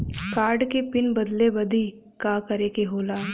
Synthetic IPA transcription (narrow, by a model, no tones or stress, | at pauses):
kaːɾɖkepɪnbɐd̪lebɐd̪ʱi | kakɐɾeːkeɦoːlaː